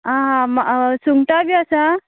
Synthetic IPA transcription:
ãɦãmasuŋɡʈabiasa

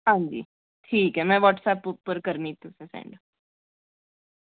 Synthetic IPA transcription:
ɦãːɲd͡ʒḭː | ʈʰiːkɦɛmɛ̃ːʋɔːʈsɛːpːpəɾkəɾniːt̪ũsẽsɛ̰̃ːɳɖ

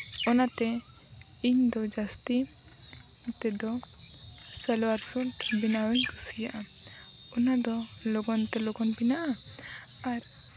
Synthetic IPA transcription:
ɔnat̪ɛ | iɲd̪ɔd͡ʒast̪i | it̪ɛd̪ɔ | sɛlwaɾsulʈbinawɛɲkusijaʔa | ɔnad̪ɔ | lɔɡɔnt̪ɛlɔɡɔnpinaʔa | aɾ

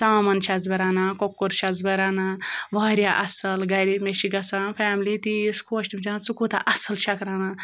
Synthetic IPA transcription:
saːmɐnt͡ʃʰazbɐɾaːnakokːoɾʃɐzbɐɾaːnaʋaːɾʲjaʔɐsɐlɡɐɾimeʃiɡɐsanfʰɛːmlit̪iskʰoːʃʈ̪imit͡ʃanat͡sukut̪a̰ʔɐsɐlʃʰɐkɾaːna

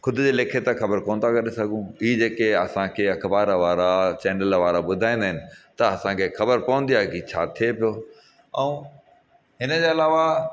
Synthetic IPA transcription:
xʊd̪ʱʊd͡ʑeːleːkʰet̪ãxɐbəɾkoːnd̪akɐɗesɐɡʱũid͡ʑeːkeɐsãkʰeːɐkʰbaːɾʋaːɾat͡ɕɛ̃ːnəlʋaːɾabʊd̪ʱaːĩːnd̪aːɦɪnɪ̆t̪ɐɐsãkʰeːxɐbəɾpɐʋə̃nd̪ijaːɦekit͡ɕʰa̰ːt̪ʰiepijo | ɛ̃ | ɦɪnəd͡ʑeːɐlaːʋa

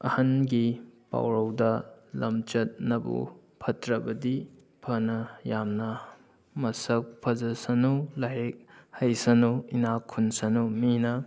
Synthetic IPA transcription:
ɐ̰hɐnɡipa̰wɾɐwdɐlɐmt͡ʃɐt̚nɐbṵ | pʰɐtɾɐbɐdi | pʰɐnɐjamnɐ | mɐsɐk̚pʰɐzɐsɐnulaɦek̚hɐjsɐnuinakʰːunsɐnuminɐ

